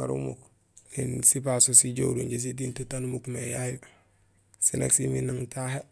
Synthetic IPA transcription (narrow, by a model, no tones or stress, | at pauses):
a̰ɾṵmṵk | linsipasosiɟouɾuɲɟes̬idintutanumukmejai | sinḛksiminaŋtaɦe